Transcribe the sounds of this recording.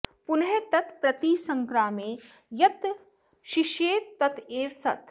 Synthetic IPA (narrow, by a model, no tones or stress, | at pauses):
pʊnɦet̪ɐt̪ʰpɾɐt̪isɐ̃ŋkɾaːmẽ | jɐt̪ | ʃɪʃeːt̪t̪ɐt̪ʰeːɾsɐ̰t̪ʰ